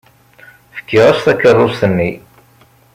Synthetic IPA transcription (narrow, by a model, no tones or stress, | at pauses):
fə̥kːiʁæsθækːərˤːʊsənːi